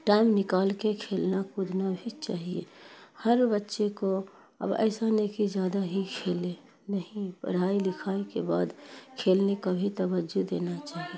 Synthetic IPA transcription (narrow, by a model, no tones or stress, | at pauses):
ʈaːɪmnɪkaːlkekʰeːlnakʊd̪ʱnabʱit͡ʃaːɦiḛhəɾbətːʃeko | ə̰bə̰ɪsanekid͡ʒjaːd̪aɦikʰeːle | nəɦĩpə̰ɽ̤aːilɪkʰaːekebaːd̪kʰeːlnekabʱit̪əbəd͡ʒud̪eːnat͡ʃaːɦie